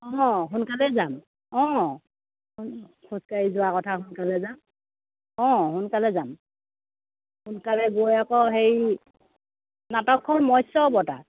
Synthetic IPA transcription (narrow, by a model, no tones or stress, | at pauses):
ɔɦʊnkalɛzam | ɔ̃ | nkʰuskaɹizʊwakɔtʰaɦʊnkalɛzam | ɔ̃hʊnkalɛzam | hunkalɛɡojakɔɦej | natɔkʰːɔɹmɔjsɔbɔta̰